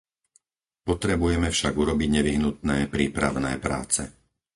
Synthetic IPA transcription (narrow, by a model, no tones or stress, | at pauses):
pɔt̪ɾɛbujɛmɛfʃaɡuɾɔbiɟɲɛʋiɦnut̪̚nɛːpɾiːpɾa̰ʋnɛ̰ːpɾa̰ːt͡sɛ